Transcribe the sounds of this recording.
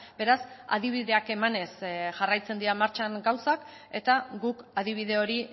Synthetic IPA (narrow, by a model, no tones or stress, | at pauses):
be̞ɾasa̰ð̞iβ̞iðe̞ake̞mane̞sʝarajt͡se̞nd̪iɾamaɾt͡ʃaŋɡawsak | e̞t̪aɡukað̞iβ̞iðe̞o̞ɾi